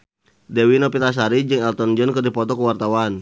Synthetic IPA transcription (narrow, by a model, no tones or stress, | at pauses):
dɛwinɔpit̪as̬aɾid͡ʒɨŋɛlt̪ɔnd͡ʒɔnkɨrdipɔt̪ɔkəwart̪awan